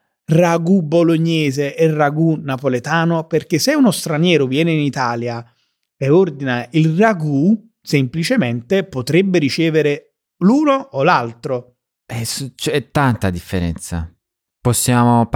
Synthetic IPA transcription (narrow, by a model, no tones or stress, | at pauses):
raɡuboloɲːɛːzeʔɛrːaɡunapolet̪aːnoperk̟eseunost̪ɾanjɛːɾovjɛːneinit̪aːlja | eord̪inailraɡu | semplit͡ʃement̪epot̪ɾebːeɾit͡ʃɛːveɾe | luːnoʔːlalt̪ɾo | ɛst͡ʃɛt̪ːant̪ad̪ifːeɾɛnt̪sa̰ | pɔsːjaːmo